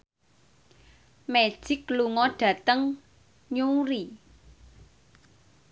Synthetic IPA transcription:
me̥ʒ̥ɪkluŋɔɖ̥ä̤t̪əŋ | ɲuɾi

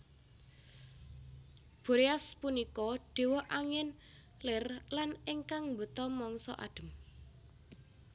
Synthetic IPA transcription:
b̥ṳɾeaspunikɔɖ̥e̤wɔʔaŋɪn | lɪrlanɪŋkaŋmbə̤t̪ɔmɔŋsɔ̰ʔa̰ɖ̥ə̤m

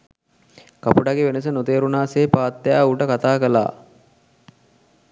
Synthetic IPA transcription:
kapuɖaɡeʋenəs̬ənot̪eːɾunaːseːpaːt̪ːejaːuʈəkat̪aːkəla̰ː

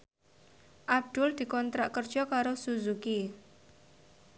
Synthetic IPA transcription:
ʔab̚d̪̥ʊld̪̥i̤kɔnt̪ɾaʔkərd̥ʒ̥ɔ̤kaɾosuzuki

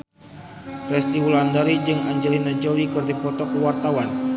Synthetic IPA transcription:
fɛst̪iwulandaɾid͡ʒɨŋaɲd͡ʒɛlinad͡ʒolikɨrdipɔt̪ɔkəwart̪awan

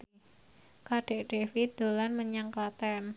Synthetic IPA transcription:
kaɖ̥ɛʔɖ̥efit̪̚d̪̥olanməɲaŋklat̪an

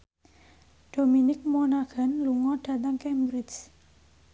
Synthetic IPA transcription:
ɖ̥ominɪk̚mɔnaɡ̥a̤nluŋɔɖ̥a̤t̪aŋkɛmbɾɪt͡ʃ

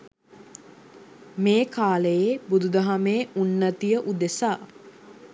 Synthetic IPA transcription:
meːkaːləjebud̪ud̪ɐɦameːunːət̪ijəʔud̪esaː

